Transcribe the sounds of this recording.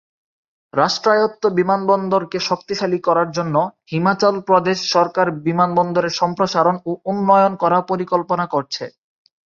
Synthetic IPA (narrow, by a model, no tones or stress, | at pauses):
ɾaʃʈɾajot̪ːobimanbɔnd̪oɾkeʃok̚t̪iʃalikɔɾaɾd͡ʑonːohimat͡ɕolpɾod̪eʃːɔɾkaɾbimanbɔnd̪oɾeʃɔmpɾoʃaɾonounːɔjonkɔɾapoɾikolponakoɾt͡ɕʰe